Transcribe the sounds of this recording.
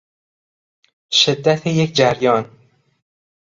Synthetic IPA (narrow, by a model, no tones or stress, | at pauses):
ʃed̪ːæt̪ʰejekʰd͡ʒæɾjɒːn